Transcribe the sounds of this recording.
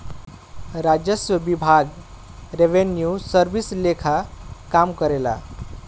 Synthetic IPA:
ɾad͡ʒjəsjəbibʱaɡ | ɾeʋenjusəɾbislekʰakamkəɾela̰

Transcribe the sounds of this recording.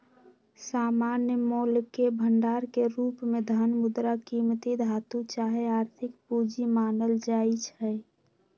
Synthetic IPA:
saːmaːnjəmoːlkebʱəɳɖaːɾkeɾuːpmẽd̪ʱənmʊd̪ɾakiːmt̪id̪ʱaːt̪ũt͡ʃaːɦeaːɾt̪ʰɪkpud͡ʒimaːnəld͡ʒaːit͡ʃʰɛ

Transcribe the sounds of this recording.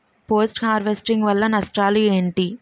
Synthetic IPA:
poːsʈkaːɾʋesʈiŋɡʋɐlːɐnɐʂʈaːlueːɳʈi

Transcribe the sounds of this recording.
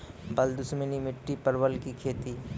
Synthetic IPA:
bɐld̪ʊsmənimɪʈːipɐɾwəlkikʰeːt̪iː

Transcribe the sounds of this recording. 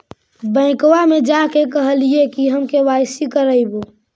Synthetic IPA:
bə̃ɪ̃kwamed͡ʒakekəɦəliekiɦəmkewaɪsikəɾəɪbo

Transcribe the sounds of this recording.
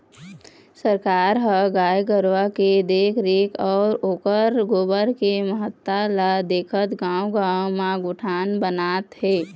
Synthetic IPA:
səɾkaːɾɦəɡaːjɡəɾwaked̪eːkʰɾekɔːɾoːkəɾɡoːbəɾkeməɦət̪ːalad̪eːkʰət̪ɡãːwɡaːwmaɡʊʈʰaːnbənaːt̪ɦeː

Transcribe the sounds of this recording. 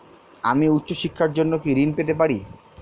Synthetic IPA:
a̰miut̪ːɕoʃikʰːaɾd͡ʑonːokiɾinpet̪epaɽi

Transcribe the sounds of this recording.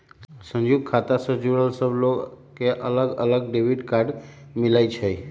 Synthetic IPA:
sə̃ɲd͡ʒuɡ̚kʰat̪asəd͡ʒuɾəlsəblokeʔələɡələɡɖeʋiɖkaɖ | milajt͡ʃʰe

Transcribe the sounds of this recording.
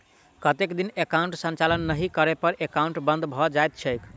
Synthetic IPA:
kət̪ekd̪inekaũɳʈsə̃nt͡ʃalənːəɦikəɾepəɾʔekaũɳʈbə̃nd̪ʱbʱɔd͡ʒajt̪̚t͡ʃʰəɪk

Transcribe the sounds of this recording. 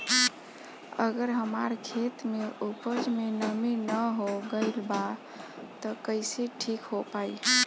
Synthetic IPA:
ə̰ɡəɾɦəmaɾkʰet̪meʔupəd͡ʒmenəminəɦoɡəɪlba | t̪ɔkəɪseʈʰikɦopai

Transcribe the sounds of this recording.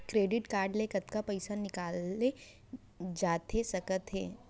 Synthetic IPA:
kɾeːɖɪʈkaːɾɖlekɐt̪kapɐɪsanɪkaːle | d͡ʒaːt̪esɐkət̪ɦeː

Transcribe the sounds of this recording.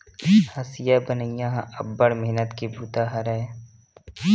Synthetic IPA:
hɐsɪjabənəɪjãɦʔɐbːəɽmeɦnət̪kibuːt̪aɦɐɾae

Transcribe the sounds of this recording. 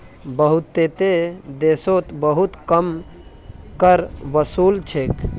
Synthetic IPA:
bəɦut̪ːet̪ed̪esot̪bəɦut̪kəm | kəɾʋəsuːlt͡ʃʰek

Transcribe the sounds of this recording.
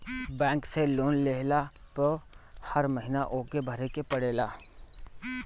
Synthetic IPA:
bɛ̃ːŋkseloːnleːɦla | pəhɐɾməɦɪnaʔoːkebʱɐɾekepɐɽeːlaː

